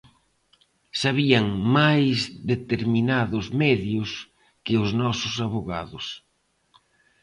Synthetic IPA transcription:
saβiaŋmajzðet̪eɾminaðʊzmɛðjʊs | kɪʊznɔsʊsaβoɣa̰ðʊs

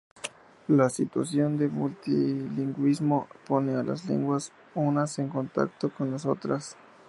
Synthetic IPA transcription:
lasit̪wa̰sjo̞nd̪e̞mult̪iliŋɡwizmo̞po̞neala̰sle̞̰ŋɡwas | unase̞ŋko̞nt̪a̰kt̪oko̞nlaso̞t̪ɾas

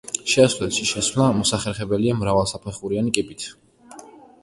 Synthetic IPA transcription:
ʃɛaslɛlʃiʃɛsvlamɔsaχɛɾχɛbɛliamɾavalˠsapʰɛχuɾianikʼipʼit̪ʰ

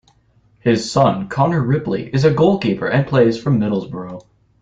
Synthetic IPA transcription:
hɪz̥sʌ̃nkʰɑnə˞ɹɪplḭʔɨzɨɡoʊlˠkipə̰˞ʔɨ̃npʰl̥eɪz̥fɹʌ̃mːɪɾl̩ˠzbə˞oʊ

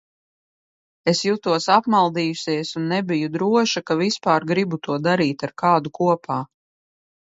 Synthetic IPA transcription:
esjut̪uɔsapmalˠd̪iːjusʲiɛsunːɛbʲijud̪ɾuɔʃakavispaːɾɡɾibut̪uɔd̪aɾiːt̪aɾkaːd̪ukuɔpʰaː

